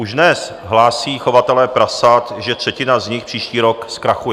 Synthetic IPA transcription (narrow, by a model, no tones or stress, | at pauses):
ʔuʒnɛs | ɦlaːsiːxovat̪ɛlɛːpɾasat̪ʒɛt̪r̝̥ɛcɪnazɲɪxpr̥iːʃciːɾokskɾaxujɛ